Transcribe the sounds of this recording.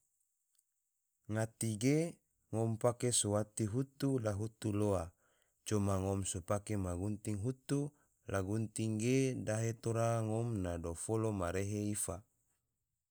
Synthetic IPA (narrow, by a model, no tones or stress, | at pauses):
ŋat̪iɡe | ŋɔmpakesowat̪iɦut̪ulaɦut̪uloa | t͡ʃomaŋɔmsopakemaɡunt̪iŋɦut̪u | laɡunt̪iŋɡedaɦet̪oɾaŋɔmnadofolomaɾeɦeifa